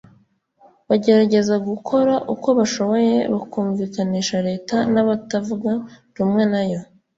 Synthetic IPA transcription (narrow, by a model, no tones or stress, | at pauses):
βaɟe̞ɾaɟe̞zaɡukʰo̞ɾaʔuko̞βaʃo̞βo̞je̞βakuːɱviːkaniːʃaɾe̞ːtanaβatavuɡa | ɾumŋe̞najo̞